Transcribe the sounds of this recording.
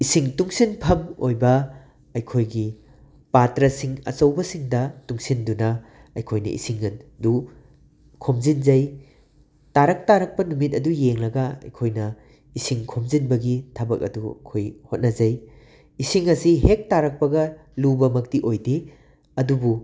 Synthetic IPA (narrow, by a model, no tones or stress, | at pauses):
isiŋtuŋsinpʰɐmo̰jbɐ | ɐjkʰojɡi | patɾɐsiŋɐ̰t͡ʃɐwbɐsiŋdɐtuŋsindunɐ | ɐjkʰojnɐ̰ʔḭsiŋɐndu | kʰomzind͡ʒɐj | taɾɐk̚taɾɐk̚pɐnumit̬̚ɐdujeŋlɐɡɐɐ̰jkʰojnɐ | isiŋkʰomzinbɐɡitʰabɐk̚ɐ̰dṵkʰojhot̚nɐd͡ʒɐj | isiŋɐsiɦek̚taɾɐk̚pɐɡɐlubɐmɐk̚tiʔojdi | ɐdubu